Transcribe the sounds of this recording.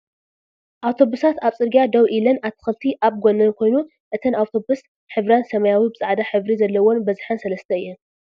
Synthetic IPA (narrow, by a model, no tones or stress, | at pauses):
ʔawt̪ʰo̞βusat̪aβsʼɨɾɡijad̪ɐwʔilɐnaβt̪ʰɨ̥xɨlt̪ʰiʔaβɡonɐnkʷʰo̞jnu | ʔɨt̪ʰɐnawt̪ʰo̞bus | ħɨβɾansɐmɐjawibɨt͡sʼɨʕd̪aħɨβɾizɐlːɐwonbɐzħansɐlɐst̪ʰɐɨjːɛn